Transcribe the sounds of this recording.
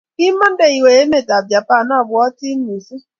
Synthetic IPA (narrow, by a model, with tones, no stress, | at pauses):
i˦ma˦n̩˦de˨i˨we˨e˦me˦˨ta˨bja˨pa˦˨na˦˨bʊ˨ɔ˦ti˦n̩˦ni˨zi˦